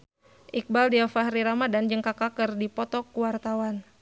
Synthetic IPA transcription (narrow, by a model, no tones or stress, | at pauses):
ʔik̚baldiafaɦɾiɾamadand͡ʒəŋkakakərdipɔt̪ɔkuwart̪awan